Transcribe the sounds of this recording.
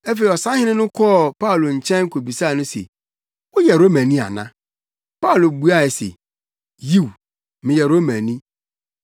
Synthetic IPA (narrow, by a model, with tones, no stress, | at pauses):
ɛ˦fe˨i˨ɔ˨sã˦hɪ̃˦nɪ̃˦nʊ̃˦kʰɔ˦˨pʰa˦u˨lo˨ɲ̩˨t͡ɕʰɛ̃˦ŋ˦kʰo˨bi˨sa˦˨nʊ̃˦sḛ˨ | wʊ˦jɛ˨ɾo˦mæ̃˨nĩ˦a̰˨nã̰˦ | pa˦˨lo˨bu˦a˦˨ɛ˨sḛ˨ | ji˦˨w | mɪ̃˨jɛ˨ɾo˦mæ̃˨nĩ˦